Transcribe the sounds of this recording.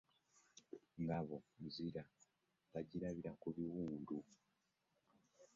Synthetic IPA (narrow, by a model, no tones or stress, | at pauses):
ŋɡaβo̞muziɾa | βaɟiɾaβiɾakuβiwuːndu